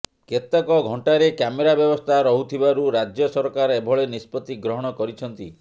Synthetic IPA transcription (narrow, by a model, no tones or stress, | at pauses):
ket̪akɔɡʱɔɳʈaɾekjameɾabjɔbɔst̪ʰaɾɔɦut̪ʰibaɾuɾad͡ʒjɔsɔɾkaɾebʱɔɭenispɔt̪iɡɾɔɦɔɽ̃ɔkɔɾit͡ʃʰɔnt̪i